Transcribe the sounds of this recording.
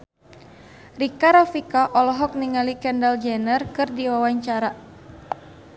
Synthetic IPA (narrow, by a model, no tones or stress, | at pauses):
rikaɾɔfikaʔɔlɔɦɔk̚niŋalikɛndald͡ʒɛnərkɨrdiwawaɲt͡ʃaɾa